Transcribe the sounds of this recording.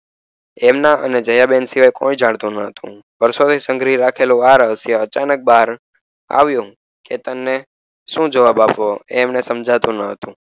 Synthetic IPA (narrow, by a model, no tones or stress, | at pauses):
ɛmnaʔə̰ned͡ʒəjabensiʋajkoid͡ʒaɽt̪ũnəɦət̪ʰṵ̃ | ʋəɾsot̪ʰisə̃ŋɡɾiɾakʰeloaɾɦəsjəət͡ʃanək̚baɾ | a̰ʋjũ | ket̪əmne | ʃũd͡ʒəʋabapʋoeːmnesəmd͡ʒʱat̪ũnəɦət̪ũ